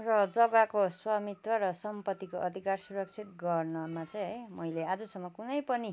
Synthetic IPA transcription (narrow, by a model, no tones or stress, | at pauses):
rʌd͡zʌɡakoswamit̪wʌɾʌsʌmpʌt̪ːikoʔʌd̪ʱikarsuɾʌk̚t͡sʰit̪̚ɡʌrnʌmat͡sʌj̃ɦʌjmʌjlead͡zʌsʌmːʌkunʌjpʌni